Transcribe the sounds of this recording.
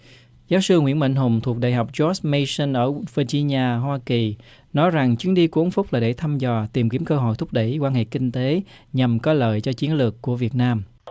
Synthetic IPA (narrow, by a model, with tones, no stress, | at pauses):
zaː˨˦wsɨ˧ŋwḭ˧˥ənɓə̰˧˨jŋ̟ɦʊ˨˩ŋ͡mt̪ʰu˨˩ək̚ɗa̰ː˧˨jɦa˨˩wk͡p̚t͡ɕɔ˦˥smə˧sə˧nʔəː˧˩və˧t͡ɕi˧ɲaː˧ɦwaː˧ki˨˩ | nɔ˨˦jza˨˩ŋt͡ɕɨ˨˦ənɗi˧ku˧˨ʔə˨˦nfʊ˦˥k͡p̚laː˨˩ɗe˧˩t̪ʰa˧mzɔ˨˩t̪i˨˩mki˧˩əmkəː˧ɦɔ̰˧˨jt̪ʰʊ˦˥k͡p̚ɗə˧˩jkwaː˧nhḛ˧˨kï˧ŋ̟t̪e˨˦ | ɲa˨˩mkɔ˨˦ləː˨˩jt͡ɕɔ˧t͡ɕi˨˦ənlɨ˨˩əkːu˧˩əvi˨˩ət̚naː˧m